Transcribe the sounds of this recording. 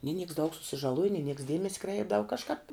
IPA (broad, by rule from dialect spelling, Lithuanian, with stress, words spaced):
nʲɪ nʲɪks dɐʊk sʊsʲɪʒɐˈlˠuɔjɪ nʲɪ nʲɪks ˈdʲiɛmʲɛsʲɪ ˈkrʲɛɪbdɐʋɐ kɐʃˈkɑːp